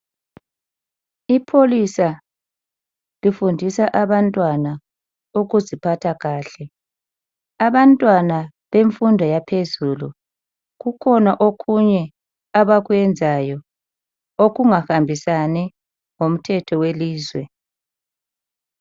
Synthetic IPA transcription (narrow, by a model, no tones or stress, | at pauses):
ipʰolisa | lifundʱisaʔaβantʼwana | uɣuzipʰatʰaɣaːɬɛ | aβantʼwana | βeɱfundʱɔjapʰezulṵ | ɣukʰɔnaʔoɣʰuɲɛ | aβaɣuwɛnd͡zʱajɔ | oɣuŋaxambʱisanɛ | ŋom̩tʰɛtʰɔweliːzwɛ